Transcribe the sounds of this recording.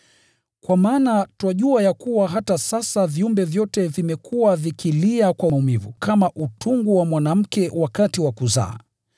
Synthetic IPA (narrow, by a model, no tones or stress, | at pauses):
kwamaːnatwaʄuajakuwaɦatasasaviumbɛvjɔtɛvimɛkʰuwavikiliakwaumivukamaʔutʰuŋɡuwamwanam̩kɛwakatiwakuza̰ː